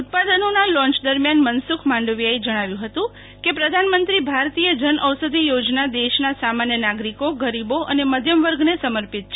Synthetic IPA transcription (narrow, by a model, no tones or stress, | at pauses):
ut̪̚pad̪ənonalɔ̃ɲt͡ʃd̪əɾmjanmənsukʰmãɳɖəʋjaed͡ʒəɽ̃aʋjũɦət̪ũ | kepɾəd̪ʱanmənt̪ɾibʱaɾt̪ijəd͡ʒənʔəʋsəd̪ʱijod͡ʒnad̪eʃnasamanjənaɡɾikoɡəɾiboʔəneməd̪ʱjəmʋəɾɡnesəməɾpit̪̚t͡ʃʰe